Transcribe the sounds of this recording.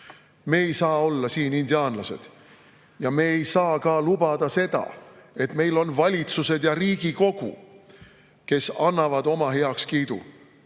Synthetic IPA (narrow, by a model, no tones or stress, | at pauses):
me̞ːejsɑːo̞lːɑsiːnind̪iɑːnlɑse̞̰d̪̥ | jɑme̞ːjsɑːkɑlub̥ɑd̪̥ɑse̞d̪̥ɑ̰e̞t̪me̞jlo̞nvɑlʲit̪suse̞d̪̥jɑɾiːɡ̥iko̞ɡ̥ṵ | ke̞sɑnːɑvɑd̪̥o̞mɑɦe̞ɑkskiːd̪̥ṵ